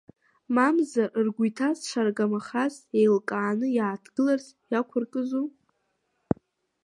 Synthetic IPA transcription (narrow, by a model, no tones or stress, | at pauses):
mamzaʔrɡʷujtʰasʂʰʷarɡamaχazejlkʼaːnɨjaːtʰɡ̥ɨlarz | jakʷʰʊrkʼɨzo